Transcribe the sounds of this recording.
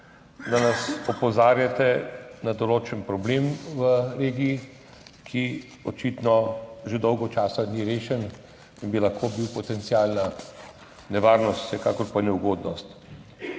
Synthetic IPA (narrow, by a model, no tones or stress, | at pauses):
d̪anasɔpɔzaːɾjat̪ɛnad̪ɔloːt͡ʃənpɾɔblemʋəɾeːɡiː | kʰi | ɔt͡ʃit̪nɔʒed̪ɔwɡɔt͡ʃaːsaniɾeːʃɛn | inbilɐxkʰobiwpɔt̪ɛnt̪siaːlna | nɛʋaːɾnɔst̪sɛkaːkɔɾpanɛwɡoːd̪nɔst̪